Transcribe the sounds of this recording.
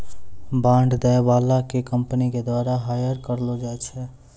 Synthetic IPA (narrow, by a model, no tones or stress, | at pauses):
bãɳɖd̪ɛbalakekəmpəniked̪waɾaɦajəɾkəɾlod͡ʒajt͡ʃʰɛ